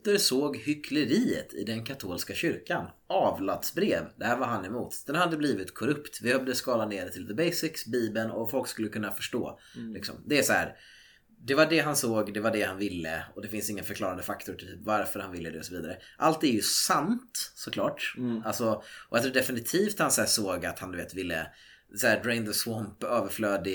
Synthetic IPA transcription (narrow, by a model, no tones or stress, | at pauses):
t̪əɾsoːɡhʏkʰləɾiːə̰t̪ʰɪ̰d̪ɛnkʰat̪ʰoːlskaɕʏɾkanʔɑːvlad̪sbɾeːvd̪ɛhæːɾvaɾɦanɛmuːt̪d̪̥ɛnhad̪ːəbliːvɪt̪kʰɔɾɵpt̪vɪhœvd̪əskɑːlaneːɖ̪ɛt̪ʰɪlðəbɛjsɪksbiːbənɔ̰fɔlkskɵlːəkʰɵnːafœʂʈo̰ː | lɪ̰ksɔ̰md̪ɛæsɔhæ̰ːɾ | d̪ɛvaɖɛɦansoːɡd̪ɛvaɖɛhanvɪlːə̰ɔd̪ɛfɪnsɪŋːənfœɾkʰlɑːɾand̪əfakt̪ʊʈʰɪlt̪ʰyːpvaɾfœɾhanvɪlːəd̪ɛɔsɔviːd̪aɾəʔalt̪ɛɾjɵsant̪sɔkʰlɑ̰ːʈʔalsɔɔat̪ʰɾd̪ɛfɪnɪt̪ʰiːft̪hansæːsoːɡat̪hand̪ɵveːt̪vɪlːə̰ | shæːɾɛɪnd̪əswɔmpøːvəɾfløːd̪ɪ